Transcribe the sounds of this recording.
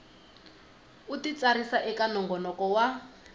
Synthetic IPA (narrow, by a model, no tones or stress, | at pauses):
utit͡saɾisaʔɛkanɔŋɡɔnɔkɔwa